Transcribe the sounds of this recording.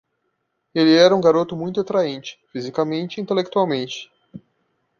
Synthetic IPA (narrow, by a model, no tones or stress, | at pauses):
elɪɛɾɐũŋɡaɾot̪ʊmũj̃t̪ʊat̪ɾaẽnt͡ʃɪ̥fizikamẽnt͡ʃɪĩnt̪elek̚t̪uawmẽnt͡ʃɪ̥